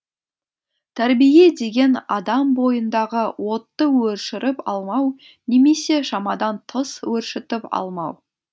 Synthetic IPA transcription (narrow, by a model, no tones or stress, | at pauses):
t̪ʰæɾbije̞d̪e̞ɡʲe̞nɑd̪ɑmbo̞jənd̪ɑʁəwo̞t̪ːəwɵɾʃɪɾʔɪpɑ̰lˠmɑw | ne̞me̞se̞ʃɑmɑd̪ɑnt̪ʰəswɵɾʃɪt̪ɪpɑ̰lˠmɑ̰w